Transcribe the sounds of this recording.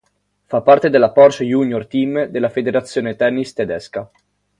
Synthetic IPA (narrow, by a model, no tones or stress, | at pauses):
fapːart̪ed̪elːapɔrt͡ʃejunjort̪imd̪elːafed̪eɾat̪sːjoːnet̪ɛnːist̪ed̪ɛska